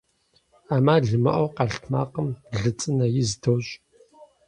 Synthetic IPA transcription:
aːmaːɮɨmɐ̰ʔʷɔwqɑɬtʰma̰ːqəmɮɨt͡sʼɨnɐjɪzdʰowɕʼ

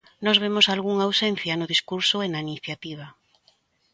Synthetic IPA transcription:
nɔzβemosalɣuŋawsen̟θjanʊðiskuɾsoenainiθjat̪iβ̞a

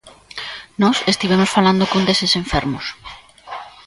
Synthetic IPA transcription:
nɔsest̪iβemosfaland̪okond̪esesẽɱfɛɾmʊs

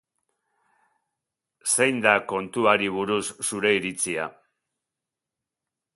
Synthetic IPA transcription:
se̞jnd̪ako̞nt̪uaɾiβ̞uɾusːuɾe̞iɾit͡sia̰

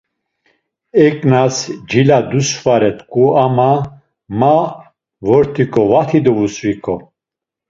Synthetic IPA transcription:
ɛkʼnasd͡ʒilad̪usvaɾɛt̪ʼkʼuama | ma | vɔɾt̪ʰikʰʼɔvat̪ʰid̪ɔvusvikʰʼɔ

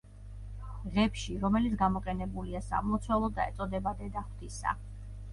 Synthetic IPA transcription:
ʁɛpʃiɾɔmɛlit̪sʰɡamɔqʼɛnɛbuliasa̰mɔt̪sʰwɛlˠɔd̪aɛ̰t̪sʼɔd̪ɛbad̪ɛd̪aχwt̪isa̰

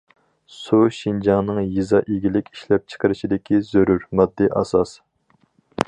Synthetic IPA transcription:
suʃind͡ʒɑŋnɨŋjizɑʔiɡʲilɪkʲi̥ʃlɛp̚t͡ʃʰə̥qəɾɪʃid̪ɪkʲizøɾuɾmɑd̪ːiʔɑ̰sɑs

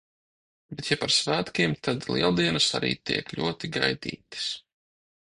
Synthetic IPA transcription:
bet̪japaɾsvæːt̪kʲiɛmt̪ʰad̪lˠḭɛlˠd̪iɛnɨsa̰ɾḭːt̪ḭɛklʲṵɔt̪iɡa̰jd̪ḭːt̪ɨ̥s

